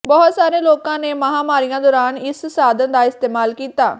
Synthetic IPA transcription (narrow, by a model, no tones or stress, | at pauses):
bɔːʊt̪saːɾeːloːkãːneːməɦaːmaːɾijãːd̪ɔːɾaːnɪssaːd̪ənd̪aːɪst̪eːmaːlkiːt̪aː